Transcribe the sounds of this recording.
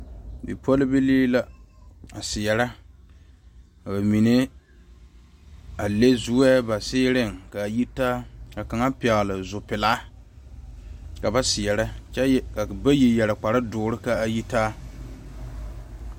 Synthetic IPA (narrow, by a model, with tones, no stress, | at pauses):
bḭ˨pʰo˦lɪ˦bi˦liː˦la˦a˨sɪ˨ɛ˨ɾa˦ | ka˨ba˨mi˨ne˦ | a˨le˦zu˦ɛ˦ba˨sɪː˦ɾɪ˦˨ŋka˨ji˦taː˦ka˨ka˨ŋa˦pɪ˨ɛ˨ɣlɪ˨zʊ˨pɪ˨la˦ | ka˨ba˦sɪ˨ɛ˨ɾa˦t͡ʃɛ˦˨ka˨ba˦ji˨jɛ˨ɾa˨k͡pa˨ɾa˦dʊː˨˦ɾɪ˦ka˦a˨ji˦taː˦